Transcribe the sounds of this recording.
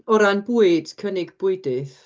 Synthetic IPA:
ɔɾanbuːɨd̥kʰənɪɡb̥ʊɨdɪθ

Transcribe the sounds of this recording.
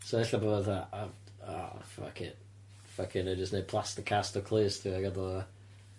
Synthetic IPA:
soɛɬaboːðaɔ | ɔ̰fa̰kʰɪ̰n | fakʰɪnad͡ʒəstnej̚pʰl̥ˠastɪkʰastɔkʰlˠeːstʰiaɡadɔ

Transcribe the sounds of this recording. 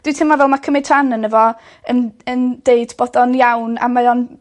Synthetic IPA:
d̥wiɨtʰɪmavɛlˠmakʰəmɪd̥ʰr̥anənəvɔ | ənənd̥eɨdb̥ɔdɔnjawna̰maɔn

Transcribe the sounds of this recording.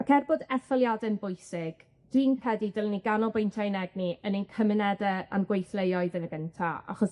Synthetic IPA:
akʰɛrbɔdɛθɔlˠjadɛnbʊjsɪɡ̥ | d̥wiːnkʰɛdidəlˠniɡanɔbejntʰajnɛɡ̚niʔənenkʰəmənɛdɛa̰nɡwejθlˠejɔɨðənəɡ̥əntʰaa̰χɔs

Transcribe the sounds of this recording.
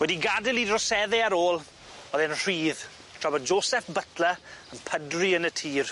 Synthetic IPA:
wɛdiɡadɪlˠidrɔsɛðɛaɾoːlˠ | ɔðɛnr̥iːð | tʰrɔbɔd̚d͡ʒoːsɛfbətʰləənpʰədriənətʰiːr

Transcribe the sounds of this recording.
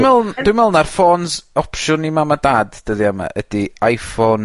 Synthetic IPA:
mvɛlˠnd̥wɪmɛlˠnarfoːnsɔpʃʊnimamadaːdd̥əðiama̰ʔədiajfɔn

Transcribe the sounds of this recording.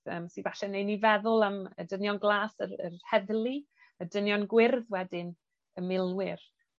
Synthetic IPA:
ə̰ːmsivaɬɛnejnivɛðʊlˠamədənjɔnɡlˠaːsərə̰rhɛðlˠi | ədənjɔnɡwɪrðwɛdɪn | əmɪlˠwɪr

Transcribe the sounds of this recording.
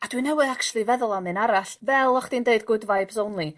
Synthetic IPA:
adwinɛwɨðakt͡ʃlˠivɛðʊlˠamɨnaɾaɬvɛlˠɔχd̥indeɨdɡʊdvaɨbzownlˠi

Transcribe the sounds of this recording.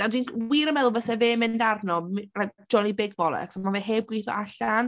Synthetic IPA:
d̥adwiːnwiɾəmɛðʊlˠvəsɛveːmɪndarnɔrad͡ʒɔnibɪɡvɔlˠɛ̰kʰsɔmaveɦeːb̚ɡwɪθɔ̰ʔaɬan

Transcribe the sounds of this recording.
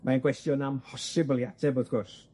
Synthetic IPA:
maənkʰwɛstjɔnampʰɔsɪblˠjatʰɛbəθkʰɔs

